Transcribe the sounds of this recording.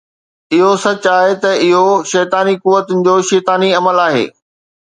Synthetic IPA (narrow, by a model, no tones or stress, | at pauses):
ɪɦosɐt͡ɕaːɦet̪ɐɪɦoʃɛːt̪aːnikuʋːət̪ʊnɪ̆d͡ʑoːʃɛːt̪aːniɐməlaːɦḛː